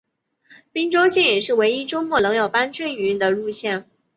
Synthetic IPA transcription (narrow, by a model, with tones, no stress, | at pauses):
pi˥ŋʈ͡ʂo˥ʊɕjɛ˥˩njɛ˨˩ʂɻ̩˥˩we˧˥ɪi˥ʈ͡ʂo˥ʊmwɔ˥˩lɤ˧˥ŋjɑ˨˩ʊpa˥nʈ͡ʂə˥˩y˧˥nd̪ə˧ɻu˥˧ɕjɛ˥˩n